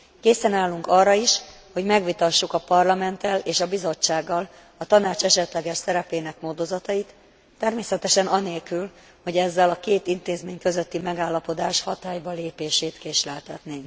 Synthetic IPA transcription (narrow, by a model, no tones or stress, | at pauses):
keːsɛnaːlːuŋkɒrːɒiʃ | ho̞ɟmɛɡʋit̪ɒʃːukɒpɒrlɒmɛnt̪ɛleːʃɒbizo̞t͡ʃːaːɡːɒl | ɒt̪ɒnaːt͡ʃɛʃɛt̪lɛɡɛʃsɛɾɛpeːnɛkmoːd̪o̞zɒt̪ɒjit̪ː | ɛrmeːsɛt̪ɛʃɛnɒneːlkyl | ho̞ɟɛzːɛlɒkeːt̪int̪eːzmeːɲkø̞zøt̪ːimɛɡaːlːɒpo̞d̪aːʃhɒt̪aːjbɒleːpeːʃeːt̪keːʃlɛlt̪ɛt̪neː